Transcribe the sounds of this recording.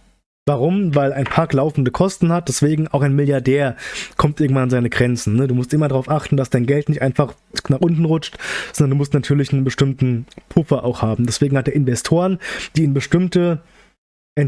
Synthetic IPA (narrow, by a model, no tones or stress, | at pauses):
vaʁʊmvaɪlaɪnpʰaɐklaʊfn̩dəkʰɔstn̩hat̚d̥ɛsv̥eːɡŋ̩aʊxaɪnmɪljaɐdɛːɐkʰɔmt̚ʔɪɐɡŋ̩tvananzaɪnəɡʁɛnt͡sn̩ːəduːmʊstʔɪmɐdaʁaʊfʔaχtn̩d̥asd̥aɪnɡɛltnɪçtʔaɪnfaχ | naːχʔʊntn̩ʁʊt͡ʃtz̥ɔndɐnduːmʊstnatʰyːɐlɪçnənbəʃtɪmtn̩pʰʊfɐʔaʊxhaːbm̩dɛsv̥eːɡŋ̩hatd̥eːɐɪnvɛstʰoːʁənd̥iːnbəʃtɪmtə | ʔɛn